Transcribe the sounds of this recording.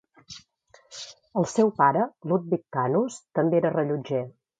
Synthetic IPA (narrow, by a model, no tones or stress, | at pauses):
əlˠsɛwpaɾəlut̪̚bik̚kanust̪əmbeɾərəʎud͡ʒe